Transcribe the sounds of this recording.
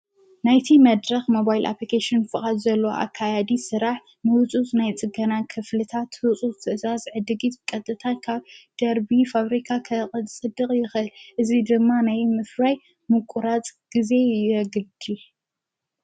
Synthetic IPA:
najt̪ʰimɐd̪ɾɐxmo̞bajlʔa̰plikʰaʃɪnfɨχʼad̪zɐlːooʔa̰kʰːajad̪isɨɾaħ | nɨwɨt͡sʼut͡sʼnajt͡sʼɨɡɐnakʰɨflɨt̪ʰat̪wɨt͡sʼuɨt̪ʰɨʔɨzazʕɨd̪ɨɡit̪kʼɐt̪ʼːɨt̪ʰankʰaβd̪̥ɐɾbifaβɾikʰakʰɐχʼɐt͡sʼɨd̪ɨkʼjɪxɨlʔɨzid̪ɨmːanajmɨfɾaj | mɨkʼuɾat͡sʼɡ̥ize̞jɛɡɨd̪i

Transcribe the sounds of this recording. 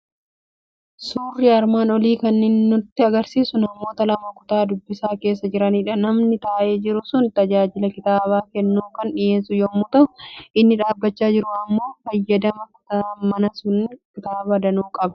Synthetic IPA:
suːrːɪɐɾmaːnɔliːkɐnːɪnːʊt̪ːɪɐɡɐɾsiːsʊnɐmo̞ːt̪ɐlɐmɐkʊ̥t̪aːd̪ʊbːɪsaːke̞ːs̬ːɐd͡ʒɪɾɐniːᶑɐnɐmnɪt̪aːʔeːd͡ʒɪɾʊsʊnt̪ɐd͡ʒaːd͡ʒɪlɐkɪt̪aːβaːkɛnːuːkɐnᶑɪjeːsʊjoːmːuːt̪ɐʊʔɪnːɪᶑaːbːɐt͡ʃːaːd͡ʒɪɾʊɐmːo̞ːfɐjːɐd̪ɐmɐkʊ̥t̪aːmɐnɐsʊnkɪt̪aːbɐd̪ɐnuːkʼɐbɐ̥

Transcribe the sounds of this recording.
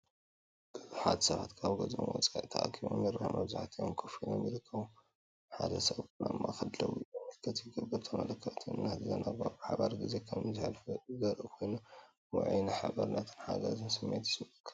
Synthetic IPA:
b̥ɨħad̪sɐβat̪kʰaβɡɐzmonwɔt͡sʼaʔit̪ʰɐʔakʰiβo̰mɐɾahmɐβzaħt̪ʰijomkʰɨfinomjɪɾɨkːɐβu | ħad̪ɐsɐβna̰mːakʰɐd̪lɐwuomːɨlkʰɐt̪jɪɡɐbɐɾt̪ʰɐmɐlɐkʰːɐt̪ʰɨnɨnːazɨzɐnʔaɡabɨħaβaɾɡize̞kʰɐmzɨħalfɨzɐɾʔɨkʰo̞jnu | wɔ̰ʕjnaħabɐɾnat̪ʰɨ̥nħa̰ɡɐzɨnsɨmːet̪ɪ̥sɨbɐt̪ʰ

